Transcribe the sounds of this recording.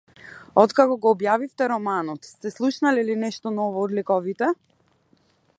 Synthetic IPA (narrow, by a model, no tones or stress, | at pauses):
ɔt̪kakɔɡɔːbjavift̪ɛɾɔmanɔt̪st̪ɛslˠuʃnalɛlinɛʃt̪ɔnɔvɔːd̪likɔvit̪ɛ